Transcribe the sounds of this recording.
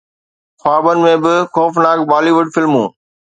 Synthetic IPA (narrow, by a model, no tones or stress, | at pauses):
xaːbənɪ̆mẽbɪxoːfnaːɡbaːliːʋʊɖfɪlmṵ̃ː